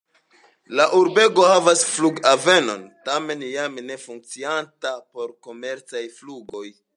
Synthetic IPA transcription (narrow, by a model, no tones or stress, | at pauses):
laʔuɾbe̞ɡo̞havasfluɡave̞no̞̰ntame̞njamne̞fuŋk̚t͡siantapo̞ɾko̞me̞ɾt͡sajfluɡo̞j